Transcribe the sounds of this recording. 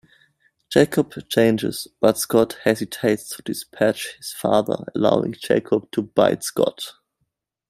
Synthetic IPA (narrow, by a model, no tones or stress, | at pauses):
d͡ʒ̥eɪkʰəb̥t͡ʃʰẽɪ̃nd͡ʒɪ̰z̥b̥ʌtskɔthɛzɨtʰeɪtstʰədɨspʰæt͡ʃhɪz̥fa̰ðə̰˞ə̰la̰ʊɪ̰̃ŋd͡ʒeɪkʰəb̥̚tʰuba̰ɪdskɔ̰t